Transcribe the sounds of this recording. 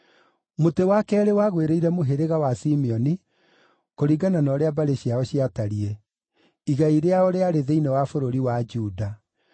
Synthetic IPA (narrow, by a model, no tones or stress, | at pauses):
motewakɛːɾewaɣweɾeiɾɛmoɦeɾeɣawasimiɔni | koɾiɡananɔɾeabaɾeɕiaɔɕiataɾiɛ | iɣaiɾeaoɾeaɾeðeinɛwafoɾoɾiwad͡ʒuda